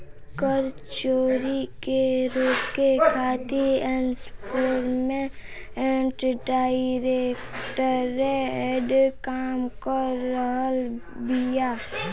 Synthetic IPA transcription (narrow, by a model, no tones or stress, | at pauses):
kəɾ | t͡ʃoːɾikeɾoːpkekʰaːt̪ienspoːɾmẽeɳʈɖaːiɾekʈəɾeeɖkaːmkəɾːəɦəl | bijaː